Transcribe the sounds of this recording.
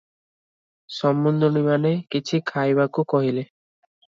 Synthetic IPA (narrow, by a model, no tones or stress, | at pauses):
sɔmːund̪ʱoɽimanekit͡ʃʰikʰajbakukɔɦile